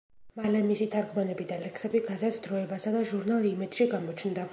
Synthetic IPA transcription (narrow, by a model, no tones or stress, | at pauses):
malɛmisit̪ʰaɾɡmanɛbid̪alɛksɛbiɡazat̪ʰd̪̥ɾɔɛbasad̪aʒuɾnalˠimɛd̪̥ʃiɡamɔt͡ʃʰnd̪a